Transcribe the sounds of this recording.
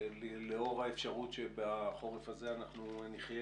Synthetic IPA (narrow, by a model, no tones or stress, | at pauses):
lleo̞ʁaefʃaʁutʃebaχo̞ʁefaze̞anaχnuniχje